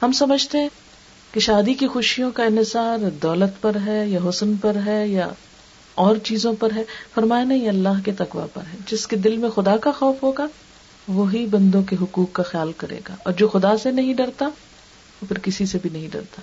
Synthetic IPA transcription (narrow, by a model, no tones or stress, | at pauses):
hɐmsɐməd͡ʒʱt̪eɦɛ̃ | keʃaːd̪ikixʊʃijõkaɪ̃nɦɪsaːɾd̪ɔːlət̪pɐɾɦɛjaɦʊsənpɐɾɦɛja | ɔːɾt͡ʃiːzõpɐɾɦɛːfɐɾmaːjanɐɦĩɐlːaːɦket̪ɐqʋa̰pɐ̰ɾɦɛd͡ʒɪsked̪ɪlmẽxʊd̪akaxɔːfɦoːɡa | ʋoɦibɐ̃nd̪õk̬eɦʊkuːkːaxjaːlkɐɾḛːɡa̰ːʔɔːɾd͡ʒoːxʊd̪asenɐɦĩɖɐɾt̪a | ʋopʰɪɾkɪsisebʱinɐɦĩɖɐ̰ɾt̪ḁː